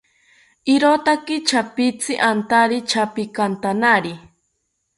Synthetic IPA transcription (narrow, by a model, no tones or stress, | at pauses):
iɾot̪akɪt͡ʃʰapit͡sɪʔant̪aɾit͡ʃʰapikant̪anaɾi